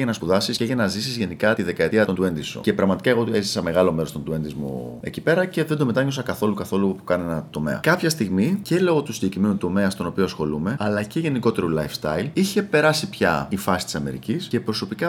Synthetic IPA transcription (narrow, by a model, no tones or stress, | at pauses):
ʝɐnɐspuðɐsisceʝɐnɐzisizʝe̞nikɐt̪iðe̞kɐet̪iɐt̪ond̪ue̞nd̪iso̰ce̞pɾɐɣmɐt̪i̥kɐeɣo̞ezisɐme̞ɣɐlo̞meɾot̪o̞nd̪ue̞nd̪izmṵe̞̰cipe̞ɾɐce̞ðend̪o̞me̞t̪ɐɲosɐkɐθo̞lukɐθo̞lupu̥kɐne̞nɐt̪o̞me̞̰ɐ̰kɐpçɐst̪iɣmicele̞oot̪usinɟecɾimenut̪o̞me̞ɐst̪o̞no̞pio̞ɐsxo̞lume̞ɐlɐce̞ʝe̞niko̞t̪e̞ɾulɐjfst̪ɐ̰iliçe̞pe̞ɾɐsipçɐ̰ifɐsit̪i̥sɐme̞ɾḭcisce̞pɾo̞so̞pikɐ